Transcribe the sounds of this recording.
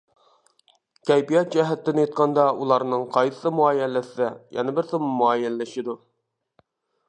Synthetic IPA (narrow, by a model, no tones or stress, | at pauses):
kʲʰɛjbijɑt̪̚d͡ʒɛɦɛt̪ːɪnɪt̪̚qʰɑnd̪ɑulˠɑɾnɨŋqʰɑjɨ̥sɨmuɑːjɛlːɪsɪd̪ɛjɛ̰nɨbɪɾsɨmmuɑːjɛlːɪʃɪd̪u